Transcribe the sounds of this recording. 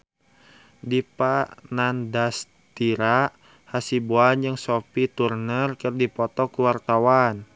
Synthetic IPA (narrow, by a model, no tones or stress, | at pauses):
dipanandas | t̪iɾa | hasibuand͡ʒɨŋsopit̪urnərkɨrdipɔt̪ɔkuwart̪awan